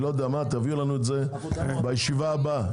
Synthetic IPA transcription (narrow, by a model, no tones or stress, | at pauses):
lod̪eamat̪aviulanuetze̞ | bajeʃivaːba